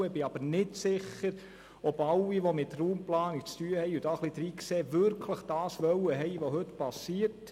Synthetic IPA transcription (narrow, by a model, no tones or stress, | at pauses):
əbɪɑbəɾnɪtsɪχːəɾ | ɔbɑlːiʋomɪtruːmplɑːnik̚t͡styəhɛɪud̥ɑːχlid̥̪ɾiːkseːʋʏɾkʰləχd̥ɑːsʋœwəɦɛɪʋoɦɵtpɑsiərt